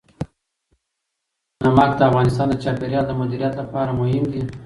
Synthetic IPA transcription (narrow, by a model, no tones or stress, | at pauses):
namɑkd̪əafɣɑnɪst̪ɑnd̪ət͡ʃɑpeɾjɑld̪əmʊd̪iɾijat̪lapɑɾamʊɦɪmd̪i